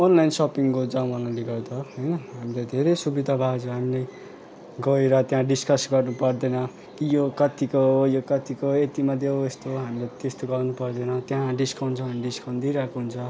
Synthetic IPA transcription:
onlajnsʌpiŋkod͡zãw̃manaliɡʌrd̪ʌɦʌjnʌɦamilad̪ʱeɾejsubid̪ʱabʱad͡zɦamilej | ɡʌeɾʌt̪jãɖiskʌsɡʌrnupʌrd̪enʌ | kijokʌt̪ikojokʌt̪ikoet̪imad̪eest̪oɦamilat̪est̪oɡʌrnupʌrd̪enʌt̪jãɖiskʰawnt͡sʰʌ̃anɖiskʰaw̃nd̪iɾakoɦunt͡sʰʌ

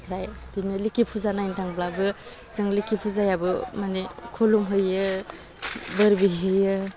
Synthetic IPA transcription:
pʰɾajdinɯlikʰipʰuzanajntʰaŋblabɯ | zɯŋlikʰipʰuzajabɯmanekʰɔlumɦɯjɯ | bɯɾbiɦɯjɯ

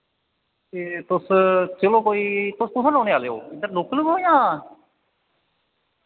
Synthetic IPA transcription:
eːt̪ʊst͡ʃəlõːkoːiːt̪ʊspʊsaːnoːneːaːleːo̰ːɪd̪əɾloːkːləkɦoːjãː

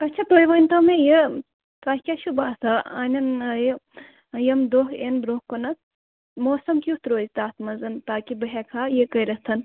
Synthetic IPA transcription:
ɐtːt͡ʃʰat̪ojʋɐnʲt̪omeje | t̪aːhʲkʲaʃubaːsɐa̰ːnʲɐnj | jɐmd̪oɦenbɾoːhkonɐt̪̚ | moːsɐmkʲut̪ɾoːzʲt̪aːt̪mɐzɐnt̪aːkibəɦʲɛkʰaːjekəɾɐst̪ʰɐn

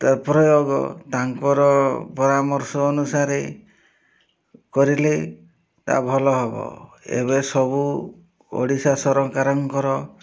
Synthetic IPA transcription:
t̪apɾɔjoɡɔ̰t̪aŋkɔɾɔpɔɾamɔɾsɔːnusaɾe | kɔɾile | t̪a̰bʱɔlɔɦebɔ̰ | ḛbesɔbu | o̰ɽisasɔɾɔkaɾɔŋkɔɾɔ

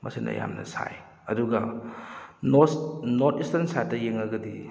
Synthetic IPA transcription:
mʔɐsinɐ̰ja̰mnɐ̰saj | ɐduɡɐ | noɾtislɐnsatːɐjeŋɐɡɐdi

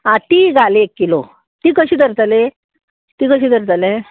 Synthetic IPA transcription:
ãt̪iːɡʱaleekːilo | t̪iːkəɕiːd̪ʱəɾt̪əle | t̪iːkəɕ̬iːd̪əɾt̪əle

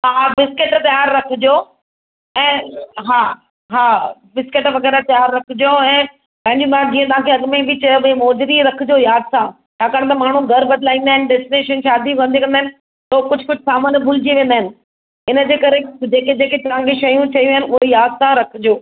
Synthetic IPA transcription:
ɦaːbɪskɪʈt̪jaːɾːɐkʰɪd͡ʑo | ɛ̃ːɦaː | ɦaːbɪskɪʈʋɐɣɛːɾat̪jaːɾːɐkʰɪd͡ʑoɛ̃ː | pɐ̃ɦɪ̃ɲd͡ʑũt̪ɐʋãd͡ʑiːə̃t̪ɐʋãkʰeɐɡmebɪt͡ɕɐjoemɔːd͡ʑɪɾiɾɐkʰɪd͡ʑojaːd̪sã | t͡ɕʰaːkaːɽ̃et̪ɐmaːɳ̤ũɡʱɐɾbɐd̪ʱɪlaːĩːnd̪aːɦɪnɪɖɪsʈneʃənʃaːd̪ikɐ̃nd̪ikɐnd̪aːɪnɪ̆ | t̪okʊd͡ʑʱʊkʊd͡ʑʱɪsaːmənbʱʊlɪd͡ʑiʋẽːnd̪aːɪnɪ̆ | ɪnəd͡ʑeːkɐɾed͡ʑeːked͡ʑeːket̪ɐʋ̤ãkʰeʃɐjũt͡ɕʰɐijũɪnɪʊɦejaːd̪sãɾɐkʰɪd͡ʑoː

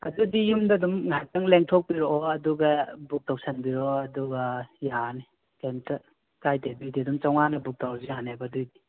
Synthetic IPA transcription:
ɐ̰dudijumdɐdumŋajtɐŋleŋtʰɔk̚piɾɔʔɔɐduɡɐbuk̚tawsɐnbiɾɔɐduɡɐjani | kentɐ | kajdebujdidumt͡ʃawŋanɐbuk̚dawzihanabɐdujdi

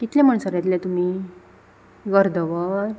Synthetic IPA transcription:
kit̪lɛ̃məɳsəɾjat̪lɛ̃t̪um̤i | ɡəɾd̪ʱəʋəɾ

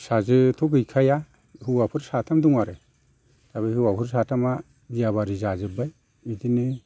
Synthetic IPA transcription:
sazɯtʰɔɡɯjkʰaja | hɯwapʰɯɾsatʰamduŋaɾɯ | taβijhɯwapʰɯɾsatʰama | bijaβaɾizazɯbaj | mitinɯ

